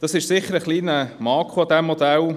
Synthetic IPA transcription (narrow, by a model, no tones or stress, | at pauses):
d̥̪ɑsɪʃsɪχːəɾəχliːnəmɑːkʰuɑd̪æmːɔd̪æl